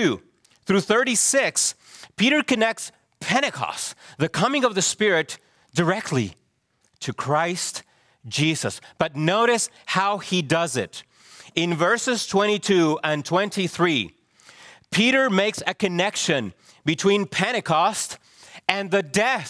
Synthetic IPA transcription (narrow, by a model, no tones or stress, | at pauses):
ʉ | θɹʉθɜ˞ɾisɪks | pʰiɾə˞kɨnɛk̚ts | pʰɛɾ̃ɨkʰɑ̰sðɨkʰʌmɪ̃ŋʌvðɨspɪɹɪt | d̥ə˞ɛk̚tʰˡlḭ | tʰɨkʰɹ̥aɪst | d̥ʒ̥izɨ̰sb̥ʌtⁿnoʊɾɨshaʊidʌzɪ̰ɾ | ɪ̃nvɜ˞sɨz̥tʰw̥ɛ̃ɾ̃itʰʉɨ̃ntʰw̥ɛ̃ntiθɹi | pʰiɾə˞meɪksɨkʰɨnɛkʃɨ̃n | bɨtʰw̥ĩnpʰɛɾ̃ɨkʰɑst | ɨ̃nðɨdɛ